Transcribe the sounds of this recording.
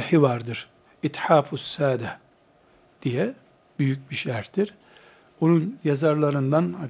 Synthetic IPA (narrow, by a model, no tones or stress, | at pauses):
ɾħivaɾd̪ɯɾ̥ | it̪ħaːfusːaːd̪ɛ | d̪̥ijɛ | b̥yjyc̚biʃæɾt̪iɾ̥ | onunjazaɾlˠaɾɯnd̪anha